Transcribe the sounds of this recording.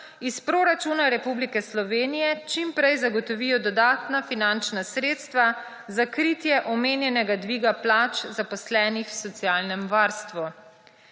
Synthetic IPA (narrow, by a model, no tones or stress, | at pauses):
ispɾoɾat͡ʃunaɾɛpublikɛslɔʋeːnijɛt͡ʃimpɾɛjzaɡɔt̪ɔʋijɔd̪ɔd̪aːt̪nafinant͡ʃnasɾeːt̪st̪ʋa | zakɾit̪jɛʔɔmeːnjɛnɛɡad̪ʋiːɡaplaːt͡ʃzapɔslɛːnixwsɔt̪sijaːlnɛmʋaɾst̪ʋu